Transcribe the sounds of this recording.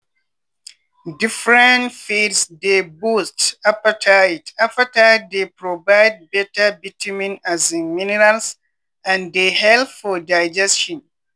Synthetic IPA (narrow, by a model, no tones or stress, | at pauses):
difɹɛ̃ntfidsdebustapətʰajtapatat̚depɹovaɪd̚bɛtəbitəmĩnazĩnminɛɹals | ãndehɛlpfɔdaɪd͡ʒɛsʃɔ̃n